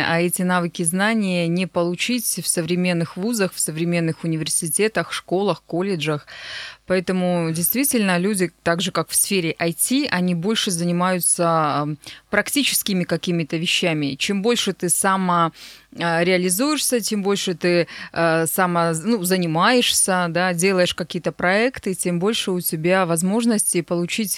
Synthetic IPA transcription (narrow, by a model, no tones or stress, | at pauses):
ʔaɛtʲɪnavɨkʲɪznanʲɪjənʲɪpəlˠʊt͡ɕitʲfsəvɾʲɪmʲe̞nːɨxvuzəxfsəvɾʲɪmʲe̞nːɨxʊnʲɪvʲɪrsʲɪtʲe̞t̪əxʂko̞lˠəxko̞lʲɪʐəxpɐɛt̪əmʊdʲɪjst̪vʲitʲɪlʲnəlʲudʲɪt̪aɡʐɨkakfsfʲeɾʲɪʔɐjtʲiʔɐnʲibo̞lʲʂɨzənʲɪmajʊt̪sə | pɾɐktʲit͡ɕɪ̥skʲɪmʲɪkɐkʲimʲɪt̪əvʲɪɕːæmʲɪt͡ɕe̞mbo̞lʲʂɨt̪ɨsaməəɾʲɪɐlʲɪzujɪʂsʲət͡ɕʲe̞mbo̞lʲʂɨt̪ɨ | samənuzənʲɪmajɪʂsʲəd̪adʲe̞lˠəjɪʂkɐkʲijət̪əpɾɐɛkt̪ɨtʲe̞mbo̞lʲʂɨʊtʲɪbʲavɐzmo̞ʐnəsʲtʲɪpəlˠʊt͡ɕitʲ